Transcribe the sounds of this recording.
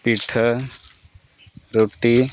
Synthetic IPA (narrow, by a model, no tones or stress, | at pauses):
piʈʰə | ɾoːʈi